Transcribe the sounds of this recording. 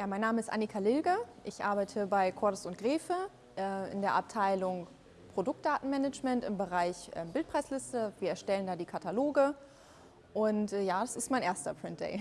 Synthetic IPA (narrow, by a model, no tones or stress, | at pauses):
jaːmaɪnːaːməɪstʔa̰nikʰalɪlɡəʔɪçʔa̰ɐbaɪtʰəbaɪkʰɔɐdʊsʊntɡ̥ʁeːfə | ʔɛʔɪ̰ndeːɐʔap̚tʰaɪlʊŋ | pʁ̥odʊk̚t̚d̥aːtn̩mɛnɛd͡ʒmɛntɪmbəʁaɪçʔɛ̰ːmbɪlt̚pʰʁ̥aɪslɪstəviːɐɛɐʃtɛləndaːdiːkʰatʰaloːɡə | ʔʊntɛːjaːdasɪstmaɪnʔeːɐstɐpʁ̥ɪnt̚d̥ɛ̰ɪ